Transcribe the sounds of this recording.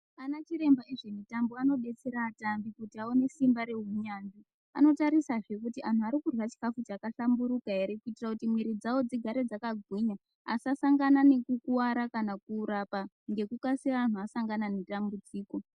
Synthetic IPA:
anat͡ʃiɾe̞mbaiʐe̞mitamboano̞ɗe̞t͡se̞ɾaːtambikutiaone̞simbaɾe̞ɦuɲandi | a̰no̞taɾisaʐe̞kutiʔan̤uaɾikurwat͡ʃi̥kafut͡ʃːkaɬambuɾukaeɾekuitirakutimwiɾid͡zawo̞d͡ziɡʱaɾe̞d͡zakaɡʱwiɲa | a̰sasaŋɡanane̞kukuwaɾakanakuːɾapa | ŋɡe̞kukasiraːn̤uasaŋɡananetambud͡ziːko̞

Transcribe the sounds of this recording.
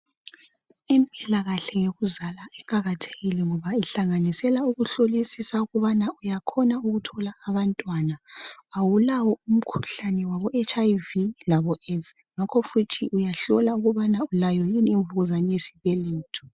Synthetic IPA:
impʼilaɣaɬɛjoɣuzalaɛkʼaɣatʰe̥ɣilɛŋɔβaiɬaŋanisɛlauɣuɬolisisauɣuβanaʔujakʰɔnauɣutʰɔlaːβantʼwanaːwulawɔum̩kʰu̥ɬanɛwaβɔʔet͡ʃʼaivilaβɔɛs | ŋakʰɔfutʰiʔujaɬɔlauɣuβanaulajɔjiniɱvuɣuzanɛjesi̥βɛleːtʰu̥

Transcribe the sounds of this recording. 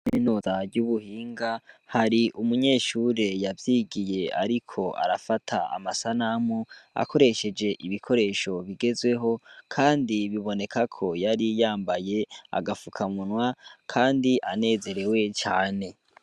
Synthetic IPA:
minuːzavɟuβuhiːŋɡahaɾiʔumuɲe̞ːʃuːɾe̞javjiːɡije̞aɾikʰo̞ʔa̰ɾafatʰaa̰masanamua̰kʰo̞ɾe̞ʃe̞d͡ʒe̞ʔiβikʰo̞ɾe̞ːʃo̞βiɡe̞zwe̞ɦo̞kʰaːndiβiβo̞ne̞kakʰo̞jaɾijaːmbaje̞a̰ɡafukʰamunwakʰaːndiʔane̞ːze̞ɾe̞we̞t͡ʃaːne̞

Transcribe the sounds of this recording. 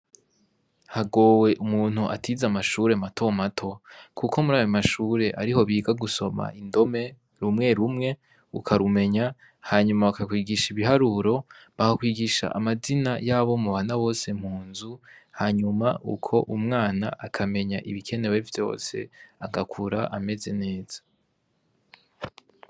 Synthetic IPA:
haɡo̞ːwe̞ʔumuːn̥huʔa̰tʰizamaʃuːɾe̞matʰo̞matʰo̞kʰukomuɾaːjamaʃuːɾe̞ʔaɾiho̞βiːɡaɡuso̞ma̰indo̞me̞ | ɾumŋe̞ɾumŋe̞ | ṵkʰaɾume̞ɲa | haɲumaβakakwiːɡiʃiβiɦaɾuɾo̞βahakwiːɡiʃa̰ʔamazinajaβo̞muβaːnaβo̞ːse̞m̥huːnzuhaːɲumaʔṵkʰo̞ʔumŋaːnaʔakʰame̞ɲaʔiβikʰe̞ne̞wevjo̞̰ːse̞̰aɡakʰuɾaʔame̞ze̞ne̞ːz̥ḁ

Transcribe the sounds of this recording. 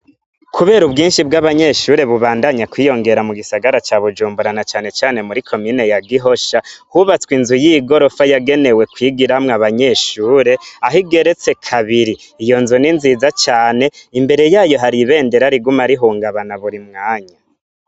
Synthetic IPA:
kʰuβe̞ːɾubɡiːnʃibɡaβaɲe̞ʃuːɾe̞βuβaːndaɲakwiːjo̞ŋɡe̞ɾamuɡisaɡaɾat͡ʃaβud͡ʒuːmbuɾanat͡ʃaːne̞t͡ʃaːne̞muɾikʰo̞miːne̞jaɡiɦo̞ʃahuβat͡swinzujiɡo̞ɾo̞fajaɡe̞ne̞we̞kwiɡiɾamŋaβaɲe̞ːʃuːɾe̞aɦiɡe̞ɾe̞t͡se̞kʰaβiɾiːjo̞nzuninziːzat͡ʃaːne̞imbe̞ɾe̞jaːjo̞ɦaɾiβe̞ːnde̞ɾaɾiɡumaɾiɦuːŋɡaβanaβuɾimŋaːɲa

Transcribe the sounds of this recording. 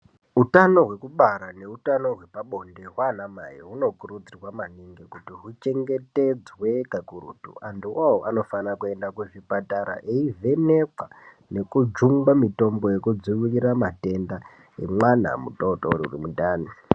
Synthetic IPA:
utano̞ɦwe̞kuɓaɾane̞utano̞ɦwe̞paɓo̞nde̞ɦwanamaḭɦuno̞kuɾud͡zirwamaniŋɡekutiɦut͡ʃe̞ŋɡe̞te̞d͡zwe̞kakurṵtṵʔanduwawoʔano̞fanakue̞ndakuʐipataɾa̰ʔeive̞nekwa | ne̞kud͡ʒuŋɡamito̞mboje̞kud͡zuwiriɾamate̞nda | ḛmwana̰mutoutouriṵrimuɗaːni

